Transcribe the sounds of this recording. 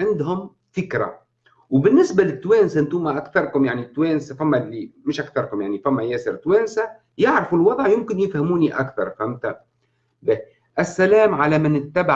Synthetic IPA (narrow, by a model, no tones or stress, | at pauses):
ʕɪnd̪ɦʊm | fɪkɾa̰ | wbɪnːɪsbalɪt̪ːwɛːnsaʔnt̪uːmaʔækθɑɾˤkʊmjaʕnit̪ːwɛːnsafæmːælːimɪʃʔækθɑɾˤkʊmjaʕnifæmːæjɛːsɪɾt̪wɛːnsa | jɪʕɾfulwɑðˤʕjʊmkɪnjɪfhæmuːniʔa̰kθɑ̰ɾˤfæmt̪a | bɛ | ʔɪsːælæːmʕalæmɪnɪt̪ːæbaʕ